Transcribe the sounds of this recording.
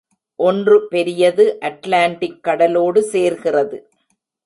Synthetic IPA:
ʔɔndrɯpɛɾɪjɐðɯʔɐʈlaːɳʈɪkːɐɽɐloːɽɯseːɾɣɪrɐðɯ

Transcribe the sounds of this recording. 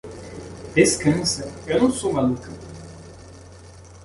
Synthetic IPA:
d̪̥eskɐ̃nsɐewnɐ̃w̃sowmalukʰɐ

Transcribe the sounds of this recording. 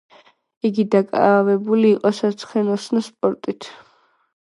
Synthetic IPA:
iɡid̪akʼa̰vɛbuliːqʼɔsat̪sʰχɛnɔsnaspʼɔɾt̪ʼit̪ʰ

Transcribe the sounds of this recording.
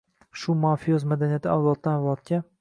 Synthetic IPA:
ʃʊmafijozmad̪anijat̪ʰɪawlˠɒt̪̚ːanvlɒt̪̚kʲa

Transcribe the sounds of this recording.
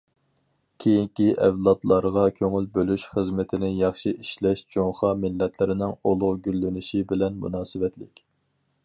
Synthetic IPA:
kʲʰejiŋkʲiʔɛvlˠɑt̪lˠɑɾʁɑkʲʰøŋylbølyʃχəzmɪt̪ʰɪnɪjɑχʃiʔiʃlɛʃd͡ʒoŋχɑmɪlːɛt̪ʰlɪɾɪnɪŋolˠʊʁɡʲylːynɪʃibɪlɛnmṵnɑːsɨvɛt̪lɪkʲ

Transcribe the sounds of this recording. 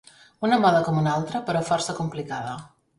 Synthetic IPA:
unəmɔðəkɔmunalˠt̪ɾəpəɾɔfɔɾsəkumplikaðə

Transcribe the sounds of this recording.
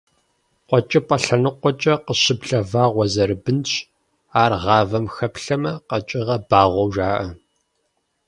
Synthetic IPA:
qʷɔt͡ʃʼɐpʼɐɬɐnɨqʷɔt͡ʃʼɐqəɕɪbɮɐvaːʁʷɔzɐrɨbɨnɕ | aːrʁɑːvɐmxɐpɬɐmɐqɐt͡ʃʼɪʁɐbaːʁʷɔwʒaːʔɐ

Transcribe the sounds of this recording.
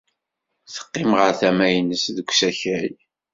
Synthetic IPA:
θə̥qːɪmʁəɾθæmæjnəsðəɡʷsæçæj

